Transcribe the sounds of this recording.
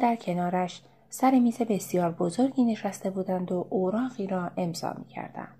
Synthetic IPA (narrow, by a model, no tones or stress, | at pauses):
d̪æɾcʰe̞nɒːɾæʃ | sæɾe̞miːze̞be̞sijɒːɾbozo̞ɾɟiːne̞ʃæst̪e̞buːd̪ænd̪oʔoɾɒːʁiːɾɒːʔe̞mzɒ̰ːmḭːcʰæ̰ɾd̪̥æ̰nd̪̥